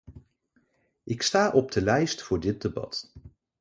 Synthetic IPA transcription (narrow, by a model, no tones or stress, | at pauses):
ʔɪkstaːʔɔb̚dəlɛjstfʊːɹdɪt̚debɑ̰t